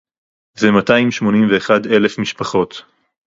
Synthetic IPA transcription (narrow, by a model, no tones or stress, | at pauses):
zemataimʃmo̞nimveːχadele̞fmiʃpaχo̞t̪